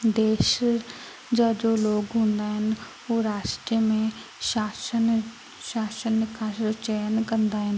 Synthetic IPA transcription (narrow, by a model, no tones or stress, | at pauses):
d̪eːʃ | d͡ʒəd͡ʒoːloːɡɦʊ̃nd̪aɦɛn | oːɾaːʃʈɾjəmẽʃaːsən | ʃaːʃənkʰaːʃot͡ʃɛːənkənd̪aɦɛn